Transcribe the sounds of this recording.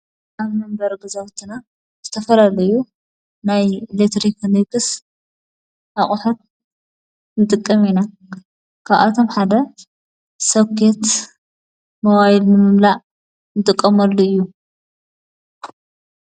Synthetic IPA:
ʔaβmɨmbɐɾɡɨzawt̪ʰːina | z̥ɨt̪ʰɐfɐlalɐju | najlet̪ʰɾiknikɨs | ʔaχʼuħot̪̚ | nɨt̪ʼɨkʼːɐmina | kʰaβʔa̰t̪ʰo̞mħad̪ɐ | sɐβkʰet̪ | mowajilnɨmɨmlaʔ | nɨt̪ʼɨkʼːɐmɐlːuɨjːu

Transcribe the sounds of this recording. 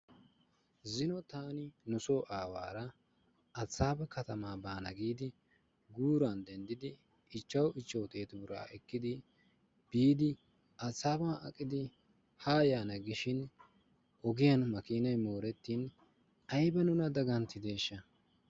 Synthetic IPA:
zɪnɔt̪aːnɪnʊso̞ːʔaːwa̰ːɾɐ | ɐt͡sːaːbɐkɐt̪ɐmaːbaːnɐɡiːd̪ɪ | ɡuːɾand̪ɛnd̪ɪd̪ɪ | ɪt͡ʃːɐwɪt͡ʃːɐwt̪ʼe̞ːt̪ʊmʊɾa̰ːʔɛkːɪd̪ɪ | b̥iːd̪ɪ | ɐt͡sːaːbaːɐ̰kʼːɪd̪ɪ | haːjaːnɐɡɪʃɪn | ʔɔɡɪjɐnmɐkiːnɐjmoːɾɛt̪ːiːn | ɐjbɐnʊnɐd̪ɐɡɐnt̪ɪd̪e̞ːʃːɐ

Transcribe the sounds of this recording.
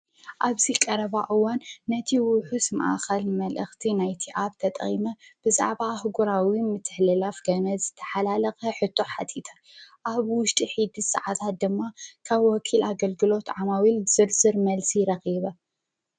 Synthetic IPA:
ʔaβzikʼɐɾɐβaʔɨwanːɐt̪ʰiwʊħusma̰ʔa̰xɐlmɐlʔɨxt̪ʰinajt̪ʰiʔaβt̪ʰɐt̪ʼχʼḭmɐb̥ɨza̰ʕβahɨɡuɾawimɨt̪ʰːɨħlɨlafɡɐnɐzɨt̪ʰɐ̥ħalalɐxɐħɨt̪ʰːo̞ħat̪ʰit̪ʰɐ | ʔaβwʊʃt̪ʼiħid̪isɐ̰ʕat̪ʰat̪̚d̪ɨmːakʰaβwɔkʰilʔaɡɐlɡɨlo̞t̪ʕamawilz̥ɨlzɨɾmɐlsiɾɐxiβɐ

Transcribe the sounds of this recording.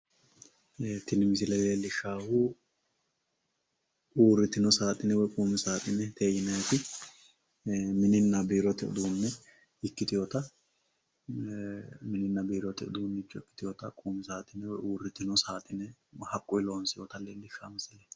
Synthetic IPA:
t̪ɪnɪmɪs̬ɪlɛleːlːɪʃːaːhʊ | uːrːɪt̪ːɪnɔsaːt̪ʼɪnɛwɔkʼuːmɪsaːt̪ʼɪnɛt̪ʰeːjɪnɐjt̪ɪ | mɪnɪnːɐbiːɾɔt̪ɪʊ̰d̪uːnːɛ | ɪkːɪt̪ɪjɔt̪ɐ | mɪnɪnːɐbiːɾɔt̪ɪʊ̰d̪uːnːɛt͡ʃːɔɪkːɪ̥t̪ɪjɔːt̪ɐkʼuːmɪsaːt̪ʼɪnɛwɔʔuːrɪt̪ːɪnɔsaːt̪ʼɪnɛhɐkʼːʊɪloːnsɪjɔt̪ɐleːlːɪʃːaːmɪsɪlɛ

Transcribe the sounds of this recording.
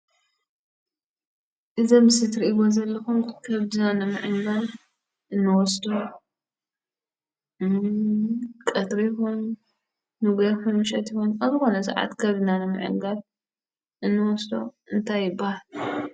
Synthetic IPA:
ʔɨzɐmɨsɨt̪ɾiʔiɡozɐlːɐxumkʰɐβd̪ɨnanɨmɨʕɨŋɡal | ʔɨnːɨwɔsd̪o | kʼɐt̪ɾixunː | ɨɡɐfɨnmɨʃɐt̪jɪhunazɨxo̞nɐsa̰ʕa̰t̪kʰɐβd̪ɨnanɨmɨ̰ʕɨ̰ŋɡal | ʔɨnːɨwɔsd̪o̞̰ | ɨnt̪ʰajːɪbahal

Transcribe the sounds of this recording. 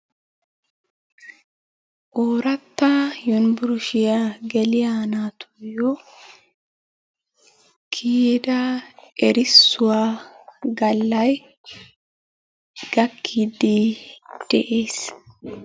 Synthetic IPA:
ʔoːɾɐt̪ːajʊnbʊɾʊʃɪjaɡɛlɪjanaːt̪ʰʊ̥jɔ | kʰiːd̪ɐɛɾɪsːʊwaːɡɐlːɐj | ɡ̥ɐkʰːiːd̪ɪd̪̥ɛʔeːs

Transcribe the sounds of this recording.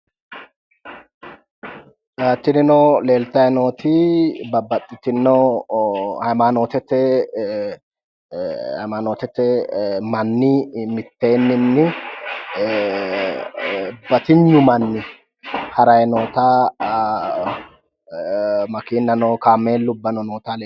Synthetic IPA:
ɐt̪ːɪnɪnoːleːlt̪ɐjɛnoːt̪ɪbɐbːɐt̪ʼːɪt̪ɪnːɔ | hɐjmano̞ːt̪ɛt̪ːɛ | hɐ̰jmaːnoːt̪ɛt̪ːɛmɐnːɪmɪt̪ːe̞ːnːɪnːɪ | bɐt̪ɪɲːʊmɐnːɪ | hɐɾɐjɛnoːt̪aː | mɐkiːnːɐnɔːkaːmːeːlːʊbːɐnɔnoːt̪al

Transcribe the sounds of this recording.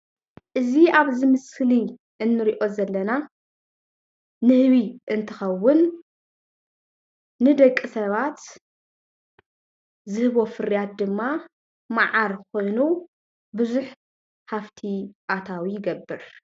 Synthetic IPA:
ʔɨziaβzɨmɨsli | ʔɨnːɨɾiʔo̞zɐlːɐna | nɨhβiʔɨnt̪ʰɨxɐwːʊn | ɨd̪ɐkʼːisɐβat̪ | zɨhɨβo̞fɨɾjat̪̚d̪ɨmːa | maʕaɾkʰo̞jnu | bɨzuħ | haft̪ʰiʔat̪ʰawijɪɡɐbːɨɾ

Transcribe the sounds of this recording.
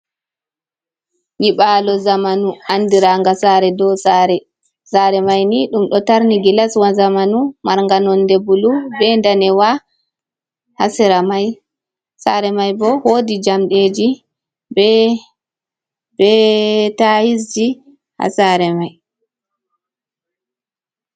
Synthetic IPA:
ɲiɓaːlɔzamanuandiɾaŋɡasaɾɛdɔsaɾɛ | saɾɛmajniɗumɗɔtaɾniɡilaswazamanumaɾŋɡanɔndɛbulubɛndanɛwa | hasiɾamaj | saɾɛmajbɔhoːdid͡ʒamɗed͡ʒi | bɛ | bɛtajis̬d͡ʒi | ha̰saɾɛmaj

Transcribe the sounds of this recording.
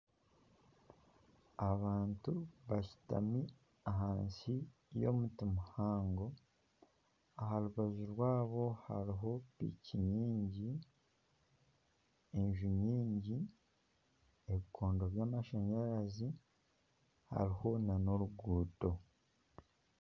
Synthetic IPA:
aβaːntuβaʃu̥ta̰mi | aɦaːnsi | jo̰mutimuhaːŋɡo̞ | aɦaɾuβaziɾwaːβo̞ha̰ɾiɦo̞pḭːciɲiːɲɟi | enʒuɲiːɲɟi | eβikʰoːndo̞βjaːmaʃaɲaɾazi | ha̰ɾiho̞nano̞ɾuɡuːto̞

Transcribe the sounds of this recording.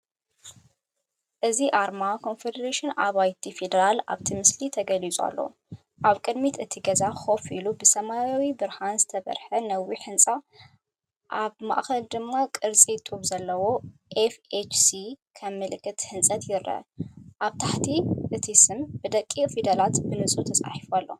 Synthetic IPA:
ʔɨziʔaɾmakʰo̞nfed̪ɐɾeʃɨnaβajt̪ʰifed̪ɐɾala̰βt̪ʰimɨslit̪ʰɐɡɐlit͡sʼa̰lːo̞̰ | ʔaβkʼɨd̪mit̪ɨt̪ʰiɡɐzaxo̞filubɨsɐmajawibɨɾhanzɨt̪ʰɐβɐ̰ɾħɐnɐwiħɨnt͡sʼa | ʔaβma̰ʔxɐld̪ɨmːakʼɨɾt͡sʼit̪ʼuβzɐlːɐwo̞ʔefet͡ʃsikʰɐmːɨlɨkːɨt̪ħɨnsʼɐt̪jɪɾʔɐ̰ʔaβt̪ʰaħt̪ʰiʔɨt̪ʰisɨmbɨd̪ɐkʼːifed̪ɐlat̪bɨnɨsʼut̪ʰɐsʼa̰ħifualːo̞̰

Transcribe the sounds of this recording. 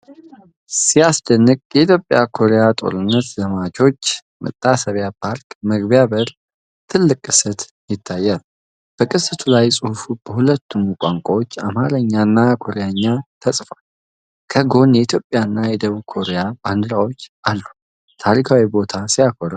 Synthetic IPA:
sijasd̪ənːɨkʼjɛit̪jo̞pʼːjakʰo̞ɾejat̪ʼo̞̰ɾɨnːət̪zəmat͡ʃo̞t͡ʃː | mə̰t̪ʼːasəβjapʰaɾkʼməɡbjabəɾ | t̪ʰɨlːɨkʼːɨ̥sət̪ | jɪt̪ʰːajːal | b̥əkʼɨsɨt̪ʰulajsʼɨhufub̥əhulət̪ʰːumkʷʼaŋkʷʼawot͡ʃːa̰mhaɾəɲːanːakʰo̞ɾejaɲːat̪ʰəsʼfal | kʰəɡo̞njɛit̪ʰjo̞pʼːjanːajɛd̪əβukʰo̞ɾejaband̪ɨɾawo̞t͡ʃːʔalːu | t̪ʰaɾikʰawibo̞t̪ʰasijakʰoɾə

